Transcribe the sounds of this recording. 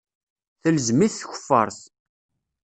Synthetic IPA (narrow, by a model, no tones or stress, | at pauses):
θəlzmiθθçə̥fːə̰ɾˤθ